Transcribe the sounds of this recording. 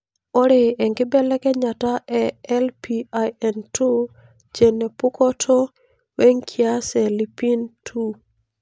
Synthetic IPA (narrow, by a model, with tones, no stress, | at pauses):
o˦ɾe˨ɛ˨ŋɡɪ˦bɛ˦lɛ˦kɛ˦ɲa˨ta˦ʔɛɛ˦lpi˦a˨jɛ˨ntʰu˦ | t͡ʃe˨ne˨pu˦kɔ˦tʰo˦ | we˦ŋkʰɪ˦a˦sɛ˨li˨pi˦ntʰu˦